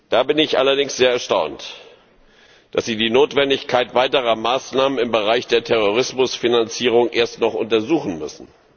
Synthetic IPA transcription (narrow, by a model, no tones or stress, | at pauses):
d̥aːbɪnɪçʔa̰lɐdɪŋsz̥eːɐɛɐʃtaʊnt | d̥asz̥iːdiːnoːtv̥ɛndɪçkʰaɪtv̥aɪtəʁ̞ɐmaːsnaːmənɪmbəʁaɪçd̥eːɐtʰɛʁ̞oʁ̞ɪsmʊsfinant͡siːʁ̞ʊŋʔeːɐstnɔχʔʊ̰ntɐzuːχn̩mʏ̰sn̩